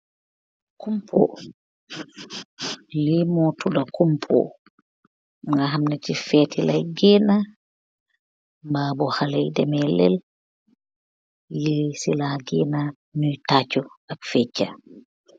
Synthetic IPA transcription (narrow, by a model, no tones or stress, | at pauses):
kumpʰɔ̰ | limɔtudakumpʰɔ̰ | ŋŋɡaɦamnɛtifɛtilajɡɛːna | mbaːbɔhalɛjdɛmɛlɛ̰l | jɛsilaɡɛna | nɔjtat͡ʃɔʔafɛt͡ʃːa̰